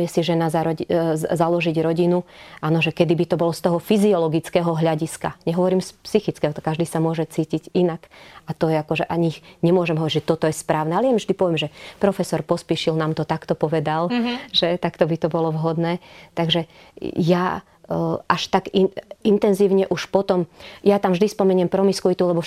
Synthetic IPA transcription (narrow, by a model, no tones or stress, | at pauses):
ɛsiʒɛnazaɾɔzalɔʒiɟɾɔɟinuʔaːnɔʒɛkɛd̪ibit̪ɔbɔlɔst̪ɔɦɔfiziɔlɔɡit͡skɛːɦɔɦʎaɟiska̰ɲɛɦɔʋɔɾiːmspsixit͡skɛːɦɔt̪ɔ̥kːaʒd̪iːsamʊɔʒɛt͡siːciɟinakʔat̪ɔjɛakɔʒɛʔaɲixɲɛmʊɔʒɛmɦɔʋɔɾiɟd͡ʒʒɛt̪ɔt̪ɔjɛspɾaːʊnɛalɛjamiʒd̪ipɔʋjɛmʒɛpɾɔfɛsɔɾpɔspiʃilnaːmt̪ɔt̪akt̪ɔpɔʋɛd̪alʒɛt̪akt̪ɔbit̪ɔbɔlɔʋɦɔd̪nɛːt̪aɡʒɛ | ja | ʔaʃt̪aɡiint̪ɛnziːʊɲɛʔuʃpɔt̪ɔmjat̪amvʒd̪ispɔmɛɲɪɛmpɾɔmiskuʋit̪ulɛbɔ